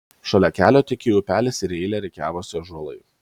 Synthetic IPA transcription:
ʃʲoːlʲɛkʲæːlʲoːt̪ʲɪkʲeːjuːpʲæːlʲɪsɪɾɛɪlʲɛɾʲɛɪkʲæːʋoːsʲɪʒuɔlˠɐ̰ɪ

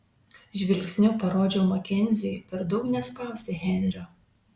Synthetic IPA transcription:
ʒʲʋʲɪlʲksʲnʲʊpɐɾoːd͡ʒʲɛʊmɐkʲɛnʲzʲejpʲɛɾd̪ɒʊknʲɛspɑˑʊsʲt̪ʲɛɦʲɛnʲɾʲo

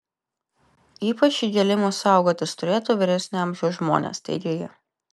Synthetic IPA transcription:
iːpɐt͡ʃʲiːɡʲɛlʲɪmuːsɑˑʊɡoːt̪ʲɪst̪ʊɾʲeːt̪uːʋʲɪɾʲɛsʲnʲʊɐmʲʒʲɛʊʒmo̰ːnʲḛːst̪ɐ̰ɪd̪ʲeːjɛ

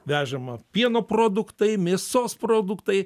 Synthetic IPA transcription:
ʋʲæːʒɛmɐpʲiɛnoːpɾoːd̪ʊkt̪ɐɪmʲeːsoːspɾoːd̪ʊkt̪ɐɪ

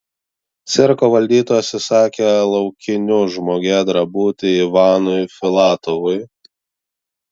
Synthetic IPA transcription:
t̪sʲɪɾkoːʋɐlʲd̪ʲiːt̪oːjɛsʲɛsɑːkʲelˠɐʊkʲɪnʲʊʒmoːɡʲɛd̪ɾɐbuːt̪ʲɪiʋɑːnʊɪfʲɪlˠɑːt̪ɔʋʊɪ

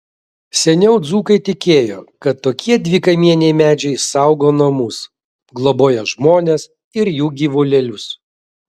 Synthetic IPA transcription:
sʲɛnʲɛʊd̪zuːkɐɪt̪ʲɪkʲeːjo̰ːkɐt̪ːoːkʲiɛd̪ʲʋʲɪkɐɪmʲiɛnʲɛɪmʲæːd͡ʒʲɛɪsɐˑʊɡoːnɐmʊs | ɡlˠoboːjɛʒmoːnʲes | ɪɾjuːɡʲiːʋolʲɛlʲʊs

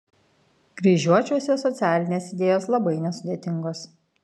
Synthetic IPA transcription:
ɡɾʲiːʒʲuɔt͡ʃʲuɔsʲɛsɔt̪sʲæːlʲɪnʲeːsɪd̪ʲeːjoːslˠɐbɐɪnʲɛsʊd̪ʲeːt̪ʲɪŋɡoːs

